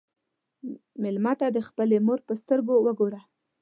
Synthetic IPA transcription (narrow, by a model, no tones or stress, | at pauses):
mɪlmat̪ad̪əxpəlemoɾpəst̪əɾɡowəɡoɾa